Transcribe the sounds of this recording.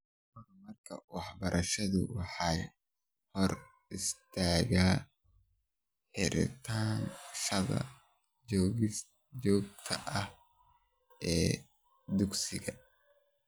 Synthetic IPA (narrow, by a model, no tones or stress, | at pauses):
kʰɔɾɐmɐrkʰɐwɑħbɐɾʔɐʃɐðʊ̰wɑħɑː | hɔr | ɪst̪ʰaːɣaː | ħɪɾɪ̰t̪ʰaːnʃɐðɐ̰ | d͡ʒɔːɣɪs | d͡ʒɔːɡ̚t̪ʰɐʔɐh | ʔɛː | d̪ʊɡsɪɣɐ